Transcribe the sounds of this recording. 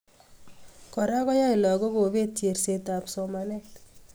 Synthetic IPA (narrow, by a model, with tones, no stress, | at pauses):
kɔ˨ɾa˦kɔ˦ja˦ɪ˨lɔ˨ɡo˦ɡo˨βe˦tje˨rse˨ta˨pso˨ma˨nɛ˦t